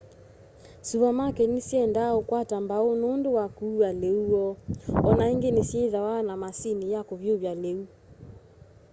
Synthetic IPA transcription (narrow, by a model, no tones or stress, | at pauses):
suβamakɛnisjɛndaokwatambaonoːndowakuːaleuɔɔnaeŋɡenesjɛðawaːnamasinijakoβjoβjaleu